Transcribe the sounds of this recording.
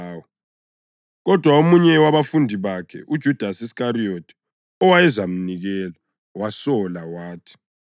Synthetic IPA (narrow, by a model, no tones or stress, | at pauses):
wɔ | ɣɔd̥ʱwaomuɲɛwaβafundʱiβakʰɛ̰ʔud̥ʒ̥ʱud̥ʱasiskariotʰi̥ | ɔwajɛzam̩niɣɛla | wasɔlawaːtʰi̥